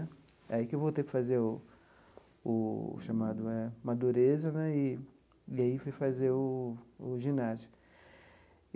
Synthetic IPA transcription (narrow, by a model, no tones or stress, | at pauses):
aikɪewvot̪ekɪ̥fazeʊ | ʊ̰ʃamad̪ʊɛmad̪uɾezɐnɛɪ | ɪaifojfazeʊː | ʒĩnasi̥k